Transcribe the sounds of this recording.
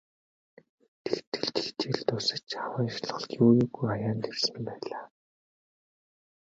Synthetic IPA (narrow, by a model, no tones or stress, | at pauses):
t̪ʰext̪ɘ̆ɮt̪̆xt͡ɕ̪ʰiɮt̪ʊsə̆t͡ɕawaːʃɮ̥̆ə̆ɮjuːjuːɣujajaːnt̪ʰersɘ̆mmpæːɮaː